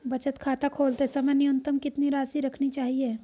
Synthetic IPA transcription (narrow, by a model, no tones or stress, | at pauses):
bɐt͡ʃət̪kʰaːt̪akʰoːlt̪esɐmɛnɪjə̃nt̪əmkɪt̪niɾaːsiɾɐkʰnit͡ʃaːɦieː